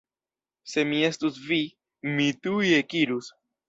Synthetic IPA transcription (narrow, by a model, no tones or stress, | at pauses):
se̞mie̞stusvi | mit̪uje̞kiɾus